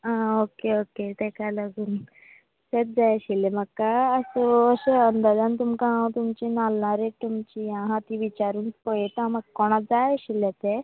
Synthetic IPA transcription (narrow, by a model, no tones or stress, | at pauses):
aokeoket̪ekalaɡuːn | set̪̚d͡zajəɕilemakːaəsuəɕeənd̪ad̪ant̪umkããwt̪umt͡ɕinalnaɾet̪umt͡ɕijãɦãt̪iʋit͡ɕaɾuːnspɔjet̪ãmakːɔɽ̃ad͡zajəɕilet̪e